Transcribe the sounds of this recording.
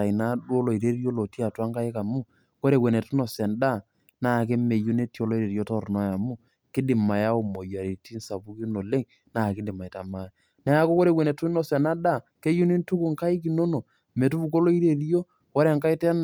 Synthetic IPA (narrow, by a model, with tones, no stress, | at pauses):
a˨na˦do˦lo˨i˨ɾe˦ɾi˦o˦lo˨ti˦a˨twa˦ŋka˦ɪ˦ka˨mu˦ | ko˦ɾe˦˨we˨ne˨tu˦nɔ˨sɛ˨nda˦˨ | na˦˨k̬e˦me˨ju˦ne˦ti˦o˦lo˦i˦ɾe˨ɾjo˦tɔ˦ɾnɔ˦ja˨mu˦ | kɪ˦dɪ˨ma˨ja˦o˨mo˨ja˨ɾi˨ti˦nsa˨pu˦ki˦no˨le˦ŋ | na˨kɪ˦dɪ˨ma˨ta˨ma˦ja˨ | na˦a˦ko˦ko˦ɾe˨we˨ne˨tu˦nɔ˨sɛ˨na˦da˦˨ke˦ju˦ni˦ntu˦ku˦˨ŋka˦ɪ˦k̬i˨no˦no˨ | me˨tu˦bu˨ko˦lo˦i˦ɾe˨ɾi˦o˦ | ko˦ɾe˦˨ŋka˦i˦tɛ˦n